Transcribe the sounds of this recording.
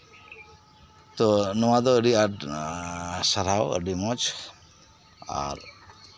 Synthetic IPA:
t̪ɔnɔwad̪ɔəɾiaʈ | saɾawə̰ɖimɔt͡ʃ | a̰ɾ

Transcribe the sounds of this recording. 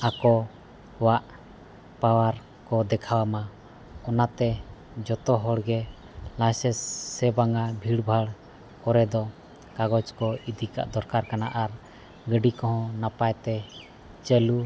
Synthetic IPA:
akɔ | waʔ | pawaɾ | kɔd̪ɛkʰawama | ɔnat̪ɛ | d͡ʒɔt̪ɔɦɔɽɡɛ | lãsɛsːɛbaŋɡabʱiɽbʱaɽ | kɔɾɛd̪ɔ | kaɡɔt͡ʃkɔid̪ika̰ʔd̪ʱɔɾkaɾkanaʔaɾ | ɡəɖikɔɦɔ̃napajt̪ɛ | t͡ʃəlu

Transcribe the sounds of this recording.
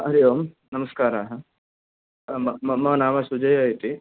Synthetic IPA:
ɐɾjoːm | nɐmɐskaːɾaɦɐ | mɐmɐmɐnaːmɐsud͡ʒɐjajit̪i

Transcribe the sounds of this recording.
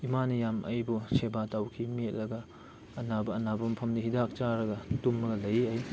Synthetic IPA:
imanɐjamʔɐ̰jbusebatawkʰimet̚lɐɡɐː | nabɐːnabɐmpʰɐmdiɦidak̚t͡ʃaɾɐɡɐtumːɐɡɐlɐjɐj

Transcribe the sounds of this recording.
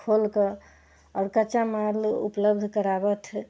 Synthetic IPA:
kʰolkə | ɔɾkət͡ʃamalṵpləbd̪ʱkəɾabət̪ʰ

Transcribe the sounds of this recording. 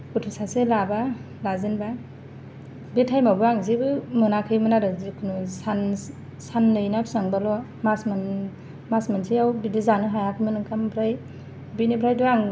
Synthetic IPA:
utʰusaselaba | lazinba | betʰajmabɯaŋzibɯmɯnakʰɯjmɯnaɾɯzikʰunusan | sanːɯjnapsaŋbalɔ | masman | masmansʰijawbidizanɯɦajakʰɯmɯnɯŋkambʰɾaj | binibʰɾajduaŋ

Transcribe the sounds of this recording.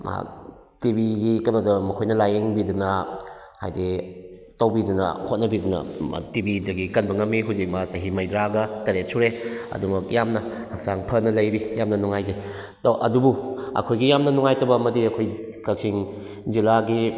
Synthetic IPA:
a̰ | tibiɡikɐnodɐmɐkʰojnɐlajeŋbidunɐ | ha̰jdetowbidunɐ̰hot̚nɐbidunɐ̰tibidɐɡikɐnbɐŋɐmːiɦuzik̚masɐɦimɐjdɾaɡɐtɐɾet̚sʰuɾeɐ̰dumɐk̚jamnɐ | hɐk̚saŋpʰɐnɐlɐjbijamnɐnuŋajzej | toʔɐdubuɐ̰kʰojɡijamnɐnuŋajtɐbɐmɐdiɐkʰoj | kʰɐk̚sʰiŋ | zilaɡi

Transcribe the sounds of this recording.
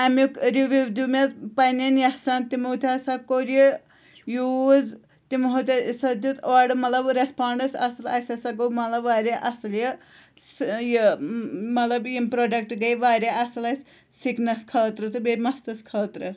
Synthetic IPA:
ɐmikɾiʋiʋd̪umet̪pɐnɐnjɐsɐnt̪imout̪ʰʲɐsɐkoɾi | juːz | t̪imɦut̪ʲɐsɐd̪ut̪ɔːɖmɐt̪lɐbɾespaːɳɖɐsɐsɐlɐsʲɐsɐɡomɐt̪lɐbʋaːɾʲɐʔɐslji | sji | mɐt̪lɐbjimpɾoːɖɐk̚ʈɡɐjʋaːɾʲɐɐsɐlɐsʲ | siknɐskʰɐːt̪ɾɨt̪ɨbeɾʲmɐst̪ɐskʰɐːt̪ɾɨ

